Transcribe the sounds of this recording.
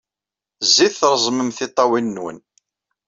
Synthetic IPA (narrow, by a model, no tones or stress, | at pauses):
zːiθθɾˤəzˤməmθɪt̪ˤːɑwinːwə̰n